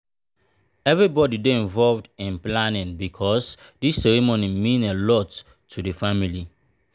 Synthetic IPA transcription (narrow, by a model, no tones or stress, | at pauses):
ɛvɹibɔdideĩɱvɔlvdĩnplanĩnbikʰɔs | disːɛɹimonimĩnelɔtʰː | udəfamili